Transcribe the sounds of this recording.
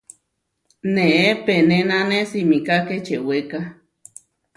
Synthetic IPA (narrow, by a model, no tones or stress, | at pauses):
neʔepenenãnesimikaket͡ʃeweka